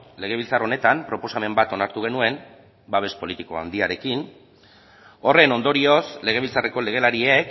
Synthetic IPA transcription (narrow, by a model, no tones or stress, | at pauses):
le̞ɣ̞e̞βilt͡saro̞ne̞t̪ampɾo̞po̞same̞mbat̪o̞naɾt̪uɣe̞nue̞m | baβ̞e̞spo̞lit̪iko̞a̰nd̪iaɾe̞kin | o̞re̞no̞nd̪o̞ɾio̞sle̞ɣ̞e̞β̞ilt͡sare̞ko̞le̞ɣ̞e̞laɾiek